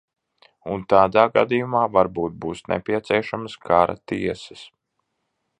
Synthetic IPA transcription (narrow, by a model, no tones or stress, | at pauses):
unt̪aːd̪aːɡa̰d̪ijumaːvaɾbuːt̪̚buːsnɛ̰pʲiɛt̪siɛʃamskʰaɾa̰t̪iɛsɛ̥s